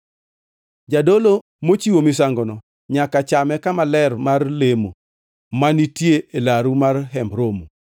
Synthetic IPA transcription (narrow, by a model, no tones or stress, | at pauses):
d͡ʒadolo | mot͡ʃiwomis̬aŋɡɔnɔ | ɲakat͡ʃamɛkamalɛrmarlemo | manitjeelaɾumarɦɛmbɾomu